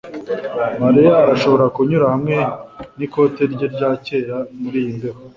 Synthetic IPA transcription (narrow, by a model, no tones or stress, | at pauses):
maɾijaːɾaʃo̞βo̞ɾakuɲuɾahamŋe̞niko̞te̞ɾɟeɾɟaːce̞ːɾamuɾiːjindeɾo